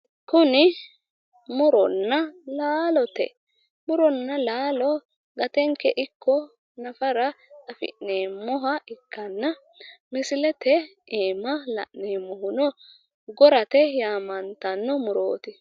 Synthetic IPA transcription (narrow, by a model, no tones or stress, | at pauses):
kʊnɪ | mʊɾɔnːɐlaːlɔt̪ɛ̰ | mʊɾɔnːɐlaːlɔ | ɡɐt̪ɛŋkːɛʔɪkːɔ | nɐfɐɾɐtɐfɪ̰ʔneːmːɔɦɐʔɪkːɐnːɐ | mɪsɪlɛt̪ɛʔeːmɐlɐ̰ʔneːmɔhʊnɔ | ɡɔɾɐt̪ɛjaːmɐnt̪ɐnːɔmʊɾo̰ːt̪ɪ